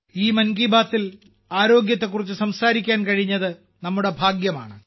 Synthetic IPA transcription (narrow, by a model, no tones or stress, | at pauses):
iːmɐnɡiːbaːt̪ːil | aːɾo̞ːɡjɐt̪ːe̞kːurit͡ɕːɨsɐmsaːɾikʲːaːnkɐɻiɲːɐðɨ | nɐmːuɽe̞bʱaːɡjɐmaːɳɨ